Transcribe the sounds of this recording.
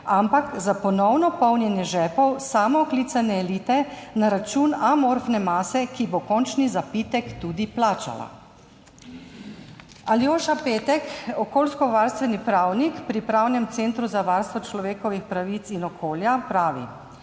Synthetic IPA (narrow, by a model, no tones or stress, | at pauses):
ampakzapɔnɔwnɔpɔwnjɛnjɛʒɛːpɔwsaːmɔkliːt̪sanɛːliːt̪ɛnaɾat͡ʃuːnamoɾfnɛmaːsɛkibokɔnt͡ʃnizapit̪ɛkt̪uːd̪iplaːt͡ʃa̰la̰ | aljoːʃapeːt̪ɛkɔkoːlskɔʋaɾst̪ʋɛnipɾawnikpɾipɾawnɛmt̪seːnt̪ɾuzaʋaɾst̪ʋɔt͡ʃlɔʋeːkɔʋixpɾaʋit̪sinɔkʰoːljapɾaːʋḭ